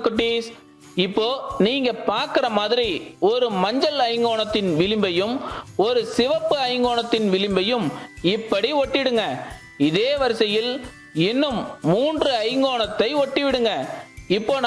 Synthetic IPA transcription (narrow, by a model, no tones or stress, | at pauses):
kːʊʈːis | ɪpːoːniːŋɡɐpaːɾkɪɾɐmaːðɪɾiɔɾɯmɐɲd͡ʒɐlɐɪŋɡoːɳɐt̪ːɪnʋɪlɪmbɐjɯmɔɾɯsɪʋɐpːɯɐɪŋɡoːɳɐt̪ːɪnʋɪlɪmbɐjɯmɪpːɐɽiɔʈːɪʋɪɽɯŋɡɐ | ɪðeːʋɐɾɯsɐjɪl | ɪnːɯmːuːndrɯɐɪŋɡoːɳɐt̪ːɐɪɔʈːiʋɪɽɯŋɡɐɪpːoːn